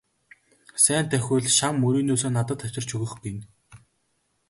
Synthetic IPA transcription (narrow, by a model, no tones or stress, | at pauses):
sæːnt̪ʰæxʲʊːɮʃamːɵɾiːnoːsoːnat̪ə̆t̪ʰːaw̥ʲt͡ɕɪ̆r̥t͡ɕʰɵɣɵ̆xɡin